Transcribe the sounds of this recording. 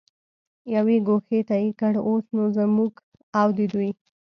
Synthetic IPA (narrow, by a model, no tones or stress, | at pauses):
jaweɡoxet̪ajikəɽosnozamuɡ | awd̪əd̪uj